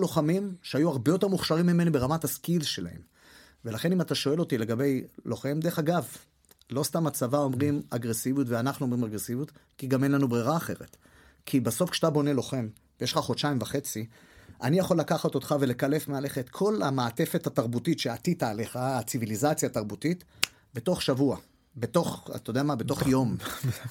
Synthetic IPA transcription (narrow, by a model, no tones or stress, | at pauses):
lo̞χamimʃeajuaʁbejo̞te̞ʁmuχʃaʁimːime̞nibe̞ʁamataskilʃela̰he̞̰m | ve̞laχe̞nimataʃo̞e̞lo̞tile̞ɡabe̞jlo̞χe̞md̪eeχaɡav | lo̞st̪amat͡savao̞mʁimaɡʁesivjutveanaχnuomʁimaɡʁesivjutkiɡame̞nlanubʁiʁaːχe̞ʁet̪ | kʰibaso̞fkʃat̪abo̞ne̞lo̞χe̞m | vejeʃlχaχodʃaimvaχe̞t͡si | ʔanijaχo̞lːakaχat̪o̞t̪χave̞le̞kale̞fmeale̞χaet̪kʰo̞lamaːte̞fethataʁbutitʃeat̪itaːle̞χaːt͡sivilizat͡sjaːtaʁbutit̪ | be̞to̞χʃavua | be̞to̞χa̰t̪ojd̪eamabe̞to̞χjo̞m